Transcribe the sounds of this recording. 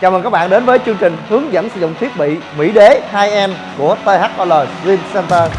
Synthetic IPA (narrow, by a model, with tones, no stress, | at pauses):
t͡ɕaː˨˩məː˨˩kaː˦˥k̚ɓaː˧˨nɗe˨˦nvəː˨˦jt͡ɕɨ˧əŋt͡ɕï˨˩ŋ̟hɨ˨˦əŋza̰ː˧˩msɨ̰˧˩zʊ̰˧˨ŋ͡mt̪ʰi˦˥əp̚ɓḭ˧˨ | mḭ˧˥ɗe˨˦haː˧jʔɛ˧m | ku˧˩ət̪əː˧ha˦˥k̚ʔɔ˧ləː˨˩zi˧msɛ˧nt̪əː˧